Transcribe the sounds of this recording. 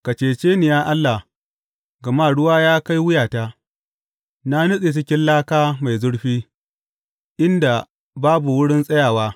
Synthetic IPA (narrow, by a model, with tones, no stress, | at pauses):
ka˨t͡ʃeː˨t͡ʃeː˦nɪ˨jaː˦ʔa˦lːa˨ | ɡɐ˨maː˦ɽʊ˦waː˦jaː˦ka˦jwʊ˦jaː˨ta˦ | na˦nʊ˦sʼe˨t͡ʃɪ˦kʲɪ˦nlaː˦kaː˦ma˨jzʊ˦ɽɸiː˦ | ʔɪ˦nda˨ | baː˦bu˨wʊ˦ɽɪ˦nsʼɐ˦jaː˨waː˦